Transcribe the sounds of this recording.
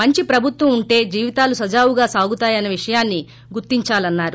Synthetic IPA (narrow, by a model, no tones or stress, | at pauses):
mɐɲt͡ʃipɾɐbʱut̪ʋɐmuɳʈe̞ːd͡ʒiːʋit̪aːlusɐd͡ʒaːʋuɡaːsaːɡut̪aːjɐneʋiʂɐjaːnːi | ɡuɾt̪iɲt͡ʃaːlɐnːaːɾu